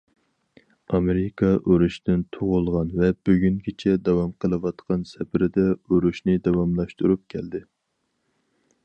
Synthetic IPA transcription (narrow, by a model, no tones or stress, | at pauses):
ɑmeɾɪkʰɑʔøɾuʃt̪ɪnt̪ʰoʁʊlˠʁɑnvɛbøɡʲyŋɡʲɪt͡ʃʰɛd̪ɛwɑmqʰəlˠɨwɑt̪qʰɑnsɛpɪɾɪd̪ɛøɾuʃnɪd̪ɑwɑmlˠɑʃt̪uɾup̚kʲʰɛld̪ɪ